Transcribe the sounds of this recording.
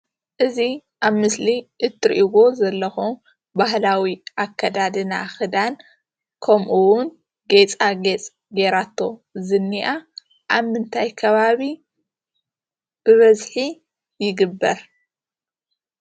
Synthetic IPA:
ʔɨziʔaβmɨsliʔɨt̪ʰːɨɾʔiwo̞zɐlːɐxom | bahlawiʔakʰːɐd̪ad̪ɨnaxɨd̪an | kʰɐmʔuwʊn | ɡet͡sʼaɡet͡sʼ | ɡeɾat̪ʰːo̞zɨnːiʔa | ʔaβmɨnt̪ʰajkʰɐβaβi | b̥ɨβɐzħi | jɪɡɨbːɐɾ

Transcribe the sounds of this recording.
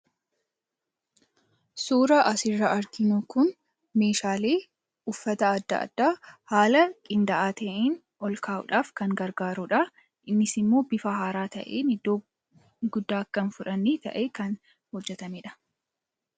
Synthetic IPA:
suːɾɐʔɐsɪrːɐʔɐɾkɪnʊkʊn | me̞ːʃaːleː | ʊfːɐt̪ɐɐd̪ːɐ̰ʔːd̪̥ːaːhaːlɐkʼɪnd̪ɐʔaːt̪ʰɐʔiːn | ɔlkʰaːʔʊ̰ᶑaːfkɐŋɡɐɾɡaːɾʊᶑɐ | ʔɪnːɪsɪmːo̞ːbɪfɐɦaːɾaːt̪ɐ̰ʔeːnɪd̪ːoː | ɡʊd̪ːaːkːɐnfʊᶑɐnːiːt̪ɐ̰ʔeːkɐn | hɔd͡ʒːɛt̪ɐmeːᶑɐ̥

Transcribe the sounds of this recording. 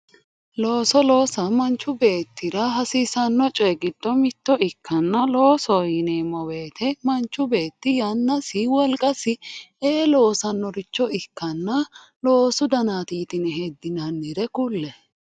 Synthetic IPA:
lo̞ːsɔlo̞ːsɐmɐnt͡ʃːʊbe̞ːt̪ʰːɪɾɐɦɐsiːsɐnːɔt͡ʃʼɛɡɪd̪̥ːɔmɪt̪ːɔʔɪkʰːɐnːɐlo̞ːsɔjɪneːmɔweːt̪ʰɛmɐnt͡ʃːʊbe̞ːt̪ːɪjɐnːɐsɪwɔlkʼɐsɪeːlo̞ːsɐnːɔɾɪt͡ʃːɔɪkːɐnːɐ | lo̞ːsʊd̪ɐnaːt̪iːt̪ɪnɛɦed̪ːɪnɐnːɪɾɛkʊlːɛ

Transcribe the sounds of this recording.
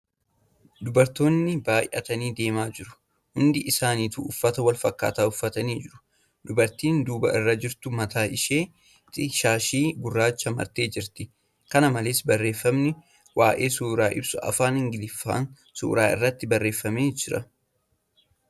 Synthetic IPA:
d̪ʊbɐɾt̪o̞ːnːɪbaːjʔɐ̰t̪ɐniːd̪e̞ːmaːd͡ʒɪɾʊ̥ | hʊnd̪ɪʔɪsaːniːt̪uʊfːɐt̪ɐwɐlfɐkːa̰ːt̪aːʊfːɐt̪ɐniːd͡ʒɪɾʊ̥ | d̪ʊbɐɾt̪iːnd̪uːbɐ̰ʔɪrːɐd͡ʒɪɾt̪ʊmɐt̪ʰaːʔɪʃeː | t̪ɪʃaːʃiːɡʊrːaːt͡ʃːɐmɐ̰ɾt̪e̞ːd͡ʒɪɾt̪ɪ | kɐnɐmɐleːsbɐrːe̞ːfːɐmnɪ | waːʔe̞ːsuːɾaːʔɪ̰bsʊɐ̰faːnhɪŋɡɪlɪfːa̰ːn | sṵːɾaːɪ̰rːɐt̪ːɪbɐrːe̞ːfːɐmeːd͡ʒɪɾɐ

